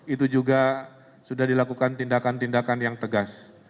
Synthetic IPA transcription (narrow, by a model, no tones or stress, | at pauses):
it̪ud͡ʒuɡa | sudahdilakukant̪indakant̪indakanjaŋt̪əɡas